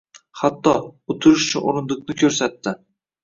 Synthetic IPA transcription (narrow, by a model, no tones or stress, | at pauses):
hat̪ːɒʊt̪ʰʊɾɪʃʊt͡ʃʰʊno̰ɾɪnd̪ʊknɪkʲʰɵɾsat̪ːɪ